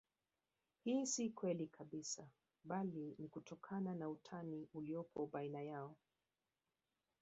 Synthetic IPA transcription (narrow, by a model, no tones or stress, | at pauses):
hiːsikwɛlikʰaɓisa | ɓalinikutɔkʰananautʰaniuliɔpʰɔɓainajaɔ